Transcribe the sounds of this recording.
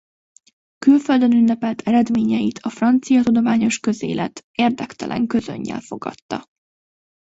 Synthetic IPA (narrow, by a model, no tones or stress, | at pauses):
kylføld̪ønynːɛpɛlt̪ʰɛɾɛd̪meːɲɛjit̪ʰɒfrɒnt̪sijɒt̪ud̪o̞maːɲo̞ʃkø̞zḛːlʔɛ̰t̪eːrd̪ɛkt̪ɛlʔɛ̰ŋkø̞zø̰ɲːɛ̰lfo̞ɡɒ̰t̪ːɒ̰